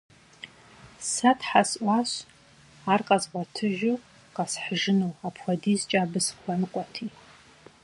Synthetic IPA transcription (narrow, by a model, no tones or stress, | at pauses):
satʰħasʔʷaʃʷ | arqʼazʁʷatʰɨʒᶣʊ | qʼasħʒɨnowapʰχʷadizt͡ʃʼabɨsχʷankʷʼatʰi